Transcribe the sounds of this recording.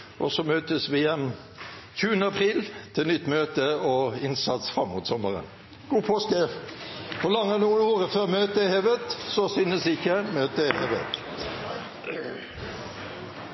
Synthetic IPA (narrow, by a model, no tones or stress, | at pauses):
ʔɔsɔmøːt̪əsʋɪjɛm | çʉːənəɑpʰʁiːlt̪ʰɪlnʏt̪ːmøːt̪əɔɪnsɑt̪sfʁɑmːuːt̪sɔmːəʁə̰n | ɡ̥uːpʰoːskə | kʊlɑŋːənuːənoːʁəføːʁmøːt̪əheːʋət̪sɔsʏnəsɪçːəmøːt̪əheːʋə̰t̪